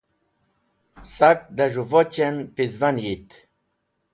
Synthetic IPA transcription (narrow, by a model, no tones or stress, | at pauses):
sak̚d̪aʐuvɔt͡ɕenpizvanjit̪